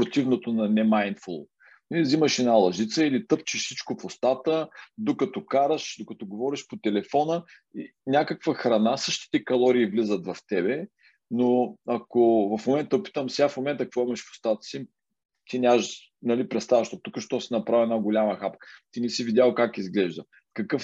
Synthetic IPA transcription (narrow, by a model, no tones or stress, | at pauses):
pɾot̪ivnot̪onɐnɛmajnt̪fulˠ | niziməʃɛnalˠɐʒit̪səilit̪ɤp̚t͡ʃiʃsit͡ʃkofost̪at̪əd̪okɐt̪ɔkaɾəʃd̪okɐt̪ɔɡovɔɾiʃpot̪ɛlɛfɔnə | i | nʲakəkvəxɾɐnasɤʃt̪i̥t̪ɛkɐlˠɔɾiːvlizət̪vɐft̪ɛbɛ | noɐkovɐfmomɛnt̪əpi̥t̪əmsɛafmomɛnt̪əɐk̚kvɔimɐʃfo̥st̪at̪ə̥si | t̪inʲaʒ | nɐlipɾɛt̪st̪avɐʃt̪ot̪ːukəʃt̪ɔsinɐpɾavʲiɛnaɡolʲaməxapkə̥t̪inɛsivid̪ʲalˠkakizɡlɛʒd̪ə | kɐkɤf